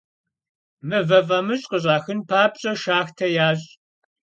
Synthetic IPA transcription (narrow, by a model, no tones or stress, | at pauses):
mɨvɐvɐmɨɕʼqəʑʼaːxɨnpʰaːpʼɕʼɐʃaːxtʰɐjaːɕʼ